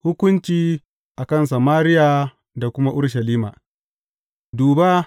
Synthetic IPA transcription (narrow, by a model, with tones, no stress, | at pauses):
hʊ˦kʷʊ˦nt͡ʃiː˦ | ʔa˨kɐ˦˨ns̬a˨maː˦ɾɪ˦ja˨ | da˨kʷʊ˦ma˦ʔʊ˦ɽʃ̬ɐ˨liː˦ma̰˨ | duː˨ba˦